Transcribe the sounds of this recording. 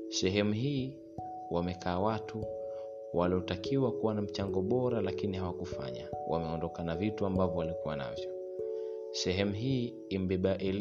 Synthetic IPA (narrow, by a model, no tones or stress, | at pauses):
sɛɦɛmuɦiː | wamɛkʰaːwatu | wʔaliɔtakiwakuwanam̩t͡ʃaŋɡɔɓɔɾalakinihawakufa̰ɲa̰wʔa̰mɛɔndɔkanavituambavɔwalikuwana̰vjɔ | sɛɦɛmuɦiː | m̩ɓɛɓaʔɛl